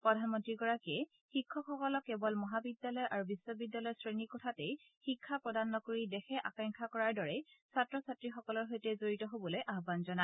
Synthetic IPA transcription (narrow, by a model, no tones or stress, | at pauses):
pɹɔdʱanmɔntɹiɡɔɹakiɛ | xikʰːɔkʰɔkɔlɔkːɛbɔlmɔɦabidːalɔjʔaɹubisɔbidːalɔjsɹenikɔtʰatɛj | xikʰːapɹɔdanːɔkoɹidɛxɛʔakaŋkʰakɔɹaɹdɔɹɛsatɹɔsatɹixɔkɔlɔɹɦojtɛzoɹitɔɦobɔlojʔaɦbanzɔna